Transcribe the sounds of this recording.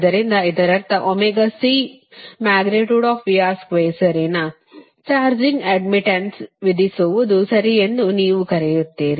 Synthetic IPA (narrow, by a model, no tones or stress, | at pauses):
d̪ɐɾind̪ɐid̪ɐɾɐɾt̪ɐʔomeɡɐsiː | maːɡɾeʈjuːɖɔːfʋijaːskʋeːsɐɾenɐ | t͡ʃaːɾd͡ʒĩŋɡɐɖmiʈɐnsʋid̪isuʋud̪usɐɾiend̪uniːʋukɐɾejut̪ːiːɾi